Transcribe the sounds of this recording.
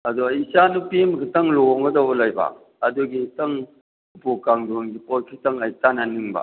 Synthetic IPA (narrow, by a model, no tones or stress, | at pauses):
ɐdɔisanupimkʰitɐŋlɔŋɡɐdɔwbɔlajba̰ | ɐduɡitɐŋ | bukaŋduŋɡipɔjkʰitɐŋɐjtananiŋba̰